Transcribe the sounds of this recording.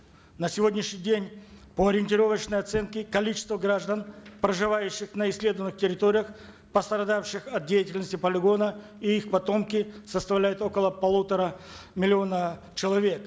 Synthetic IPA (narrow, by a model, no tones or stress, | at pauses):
nəsʲɪvo̞dʲnʲɪʃnʲɪjdʲenʲpəɐɾʲɪɪnʲtʲɪɾo̞vət͡ɕnəjɐt̪sɛnkʲɪkɐlʲit͡ɕɪ̥st̪vəɡɾaʐd̪ənpɾəʐɨvajʉɕːɪxnəɪsʲlʲe̞d̪əvənɨxtʲɪɾʲɪt̪oɾʲɪjəx | pəst̪ɾɐd̪afɕɪxɐt̪̚dʲejɪtʲɪlʲnəsʲtʲɪpəlʲɪɡo̞nə | iixpɐt̪o̞mkʲɪsəst̪ɐvlʲæjɪt̪o̞kəlˠəpɐlˠut̪əɾəmʲɪlʲɪonə | t͡ɕɪlˠɐvʲe̞k